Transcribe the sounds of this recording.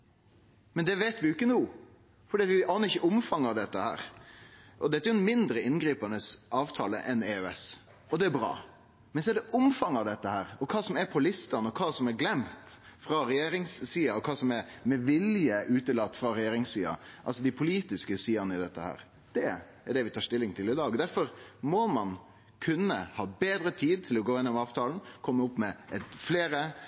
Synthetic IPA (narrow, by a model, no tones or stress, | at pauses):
mɛnd̪ɛʋeːt̪ʋɪɪkːənuː | fɔɖ̪iːɑt̪ʋɪʔɑːnəɾɪçəʊmfɑŋːɑʋd̪ɛt̪ːəhæ̰ːɾ | ʔɔd̪ɛt̪ːæɾʊnmɪnd̪ɾəɪnɡɾiːpɑnəsʔɑːʋt̪ʰɑːlə̰ʔɛneːøɛ̰s | ɔd̪ɛæɾbɾɑ̰ː | mɛnsɔɛɖɛʔʊmfɑŋːɑʋd̪ɛt̪ːəhæːɾɔkʰɑːsɔmæɾpʰɔlɪst̪ɑnəɔkʰɑːsɔmɛɾɡlɛmt̪fɾɑɾɛjeːɾɪŋsːiːɑɔkʰɑːsɔmɛɾmɛʋɪljəʔʉːt̪əlɑt̪ːfɾɑɾɛjeːɾɪŋssiːɑ̰ʔɑ̰lsɔd̪ɪpʰʊliːt̪ɪskəsiːɑnəɪd̪ɛt̪ːəhæ̰ːɾ | d̪̥ɛ | æɖɛʋɪt̪ʰɑːʂt̪ɪlːɪŋt̪ʰɪlɪd̪ɑːɡd̪æɾfɔɾmɔmɑn | kʰʉnːəhɑːbeːd̪ɾət̪ʰiːd̪̚t̪ʰɪlɔɡoːɪnːɔmɑːʋt̪ʰɑːln̩kʰɔmːəʊpːmɛɛt̪fleːɾə